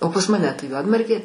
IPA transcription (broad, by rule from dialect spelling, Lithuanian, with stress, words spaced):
oː pɐs mɐˈnʲɛ ˈtɐɪ ˈjuɔdmɐrʲɡʲeː